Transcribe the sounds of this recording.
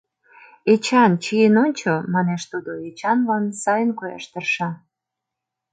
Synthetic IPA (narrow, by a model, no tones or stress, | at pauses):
et͡ɕɑnt͡ɕienonʲt͡ɕomɑneʃt̪ud̪oet͡ɕɑnlɑnsɑjənkojɑ̰ʃt̪ərʃɑ